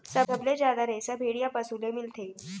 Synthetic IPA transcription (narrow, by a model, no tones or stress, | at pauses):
səbʱəbled͡ʑjad̪aɾesəbʱeɽijapəsulemilt̪ʰe